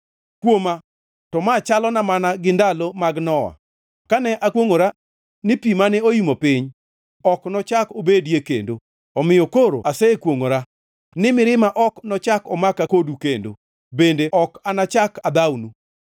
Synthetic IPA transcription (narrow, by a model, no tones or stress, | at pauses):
kwoma | tɔmat͡ʃalɔnamanaɡɪndalomaɡnɔwa̰ | kanɛʔakwoŋoɾa | nɪpimanɛojimopɪɲ | ɔknɔt͡ʃakobedjekḛndo | ɔmɪjɔkoɾo̰asɛkwoŋoɾa | nɪmɪɾɪmaʔɔknɔt͡ʃakɔmakakodukendo̰ | bendeʔɔkanat͡ʃakad̪awnu